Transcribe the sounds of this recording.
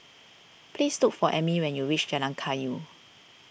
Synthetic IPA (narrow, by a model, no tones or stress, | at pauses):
plistukfɔʔɛmiwɛ̃njuɹit͡ʃd͡ʒalãŋkʰaju